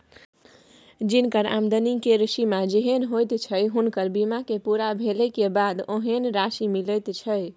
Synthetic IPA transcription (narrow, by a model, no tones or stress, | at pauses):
d͡ʒinkəɾa̰md̪ənikeɾisimad͡ʒeɦenɦojt̪t͡ʃʰəjɦunkəɾbimakepuɾabʱelɛkebad̪oɦenɾasimiləjt̪t͡ʃʰəj